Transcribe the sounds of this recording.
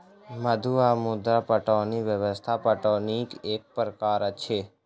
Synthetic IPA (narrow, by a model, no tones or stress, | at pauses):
məd̪ʱuamʊd̪apəʈõniʋjəʋəst̪ʰapəʈonikek̚pɾəkaɾt͡ʃʰe